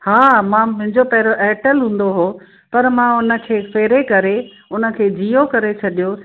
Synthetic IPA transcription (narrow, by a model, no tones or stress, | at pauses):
haːmãmʊ̃ɦɪ̃ɲd͡ʑopɛːɾoʔɛːʈəlɦũːn̆d̪oɦoː | pɐɾmãʊnə̆kʰeːfeːɾekɐɾe | ʊnə̆kʰeːd͡ʑijokɐɾet͡ɕʰɐɗijo